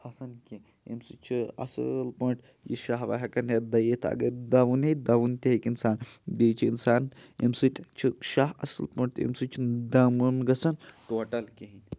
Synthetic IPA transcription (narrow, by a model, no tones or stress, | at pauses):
hɐsɐnkʲe | ḭmsɨt͡ʃʰiɐ̰sɨ̰lpɐɳʈ | jḭʃaɦʋɐ̰ɦɐkɐnjɐd̪ɐjet̪ʰɐ̰ɡɐɾd̪ɐʋuned̪ɐʋunt̪ʲeɦikinsaːnd̪et͡ʃʰiinsaːnimsɨt̪ʰʲt͡ʃʰiʃaɦɐsɨlpɐɳʈ̪ḭmsɨt͡ʃʰid̪ɐmunɡɐt͡sɐnʈoːʈɐlkʲeɦinʲ